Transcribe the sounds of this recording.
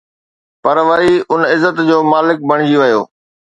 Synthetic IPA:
pɐɾʋɐiʊnɪzːət̪d͡ʑoːmaːlɪk̚bʱɐɽ̃ɪd͡ʑiʋɐjoː

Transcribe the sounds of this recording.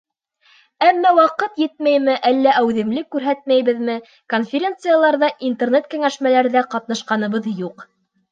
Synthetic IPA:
æmːæwɑqɤt̪jɘt̪̚mæjmɘʔælːæʔæwðɘ̆mlɘkːʉɾɦæt̪̚mæjβɘ̆ðmɘ | konfʲɪɾʲent̪sɨjalˠɑɾðɑʔint̪ernet̪̚kæ̆ŋæʃmælæɾðæqɑt̪̚nɑʃqɑnɤ̆βɤðjuq

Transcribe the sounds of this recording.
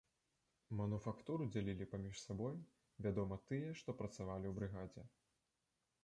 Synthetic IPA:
mɐnufakt̪uɾud͡zʲalʲilʲipamʲiʂsabɔj | vʲad̪ɔmɐt̪ɨjɛʂt̪ɔpɾɐt̪savalʲiwbɾɨɣad͡zʲɛ̰

